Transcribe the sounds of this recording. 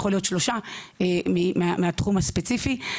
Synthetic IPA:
χolijo̞t̪ʃlo̞ʃaemimeameat̪χumhaspet͡sifi

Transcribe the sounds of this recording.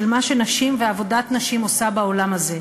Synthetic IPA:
lmaʃe̞naʃimveavo̞datnaʃimosabao̞lamaze̞

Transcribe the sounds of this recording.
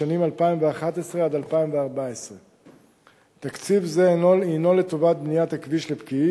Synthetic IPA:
animalpaimveaχat̪esʁe̞ad̪alpaimveaʁbaesʁe | t̪akt͡sivzeːnoino̞le̞t̪ovat̪̚bnijat̪hakviʃlepkii

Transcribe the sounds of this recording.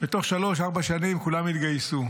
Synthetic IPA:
bet̪o̞χʃalo̞ʃ̬aʁbaʃanimkulamit̪ɡajsu

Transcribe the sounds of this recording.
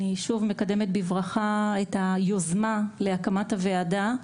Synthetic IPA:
iʃuvme̞kade̞met̪̚bivʁaχaetajozmaleakamathaveada

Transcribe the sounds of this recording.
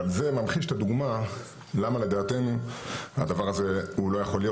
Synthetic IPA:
ze̞mamχiʃe̥t̪ad̪uɡma | lamale̞d̪aːt̪e̞nua̰d̪avaʁaze̞hulo̞jaχo̞ljo

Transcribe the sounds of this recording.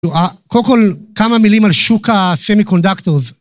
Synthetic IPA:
uakolkolkamamilimalʃukasemikondaktoʁz

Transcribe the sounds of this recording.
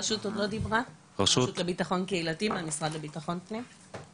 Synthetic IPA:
pɐʃutodlo̞dibʁa | ʃuʃut̪lebitaχo̞nkeilatimeamisʁad̪lebitaχo̞npnim

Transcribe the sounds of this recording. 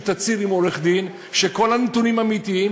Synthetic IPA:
t̪at͡siɾimo̞ʁeχd̪in | ʃeko̞lanet̪unimamit̪iim

